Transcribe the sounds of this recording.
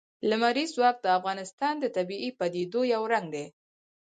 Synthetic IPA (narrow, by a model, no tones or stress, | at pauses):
lamaɾizzwɑk̚d̪əafɣɑnɪst̪ɑnd̪ət̪abiipad̪ed̪ojawɾaŋɡd̪e